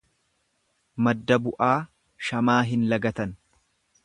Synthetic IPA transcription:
mɐd̪ːɐbʊʔaː | ʃɐmaːɦɪnlɐɡɐt̪ɐn

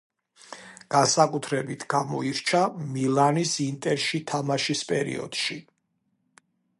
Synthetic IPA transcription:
ɡ̥ansakʼut̪ʰɾɛbit̪ʰɡ̥amɔ̰iɾt͡ʃʰamilˠanisint̪ʼɛɾʃit̪ʰamaʃispʼɛɾḭɔ̰d̪̥ʃi

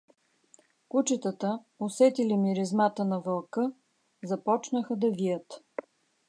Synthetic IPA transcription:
kut͡ʃɛt̪ət̪ə | osɛt̪ilimiɾɛzmat̪ənɐvɐlˠkɤ | zɐpɔt͡ʃnəxəd̪ɐvijət̪

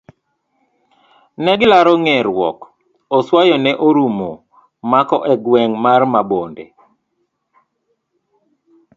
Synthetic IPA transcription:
nɛɡɪlaɾɔŋɛɾwɔ̰k | oswajɔnɛʔoɾumo | makɔʔɛɡwɛŋmarmabondḛ

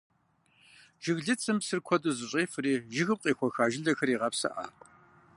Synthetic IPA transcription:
ʒ̥ɪɣɮɨt͡sʰɨmsɨrkʷʰɔduzɨɕʼeːfɨriːʒɪɣɨp̚qʼiːxʷɔxaːʒɪɮɐxɐɾiːʁɐpsɐ̰ʔa̰ːpʼ

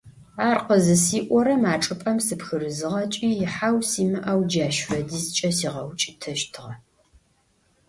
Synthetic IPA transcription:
aːrqəzɨsiːʔʷɔɾɐmaːʈ͡ʂʼɨpʼɐmsɨpxɨrɨzɨʁɐt͡ʃʼiːjɪħawsiːmɨʔɐwd͡ʒaːʃfɐdiːzt͡ʃʼɐsiːʁɐwt͡ʃʼɪtʰɐʃtʰɨʁɐ

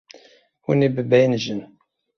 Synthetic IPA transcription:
ṵnibəbæjnʒən

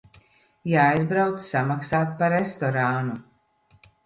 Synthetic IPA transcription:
jaːajzbɾawt̪ssamaksaːt̪̚paɾest̪ɔɾaːnu

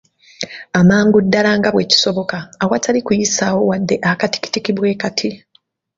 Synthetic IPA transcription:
amaːŋɡudːalaːŋɡaβwe̞ci̥so̞βo̞kaːwatʰalikujisaːwo̞wadːe̞ʔakati̥ki̥tikiβwe̞ːkatʰi

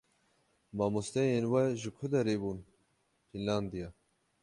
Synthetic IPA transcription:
maːmust̪ɛjenwɛʒɨkʰʊd̪ɛɾeːbuːn | fʰinland̪ija

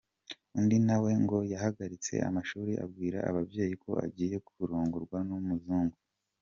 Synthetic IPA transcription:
undinawe̞ŋɡo̞jaɦaɡaɾit͡se̞̰ʔa̰maʃuːɾiʔa̰bɡiːɾa̰a̰βabje̞ːjikʰo̞a̰ɟiːje̞kuβuɾuːŋɡuɾɡwanumuzuːŋɡu

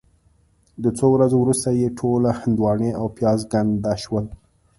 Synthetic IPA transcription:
d̪ət͡sowɾazowɾust̪ajeʈʰolahɪnd̪wɑɳeawpjɑzɡand̪aʃwəl

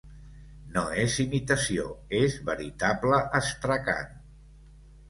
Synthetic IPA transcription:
noezimit̪əsio̰ezβəɾit̪abləʔəst̪ɾəka̰n

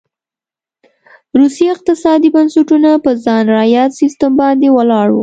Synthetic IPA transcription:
ɾusiaɪq̚t̪ɪsɑd̪ibansuʈunapəzɑnɾɑjɑt̪sist̪ambɑnd̪ewəlɑɽwṵ

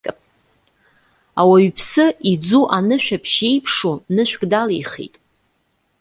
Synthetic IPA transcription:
kʼpʼ | awaɥpʰsɨid͡zuʔanɨʃᶣapʰʃe̞jpʰʂonɨʃʷᶣɡʼdaliχḭtʼ

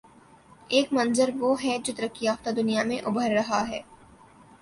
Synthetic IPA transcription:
eːkmɐ̃nzəɾʋoːɦɛd͡ʒot̪ɾəkːijaːft̪ad̪ʊnijamẽʔʊbʱəɾːɐɦaɦɛː

